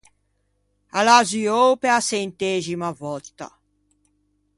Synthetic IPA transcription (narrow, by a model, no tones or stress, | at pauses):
alaziowpeasent̪eːzimavɔt̪ːa̰